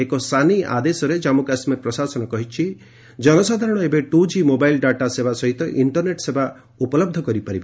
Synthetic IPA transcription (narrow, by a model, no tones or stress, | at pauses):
ekɔsania̰d̪esɔɾed͡ʒamukasmeɾpɾɔsasɔnɔkɔɦit͡ʃʰi | d͡ʒɔnɔsad̪ʱaɾɔɽ̃ɔebeʈud͡ʒimobajlɖaʈasebasɔɦit̪ɔʔiɳʈɔɾneʈseba | upɔlɔb̚d̪ʱɔkɔɾipaɾibɔ